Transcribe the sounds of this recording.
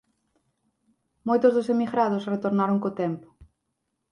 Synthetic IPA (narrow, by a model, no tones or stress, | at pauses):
mojt̪ʊzðʊsemiɣɾaðʊsret̪oɾnaɾoŋkot̪ɛmpʊ̥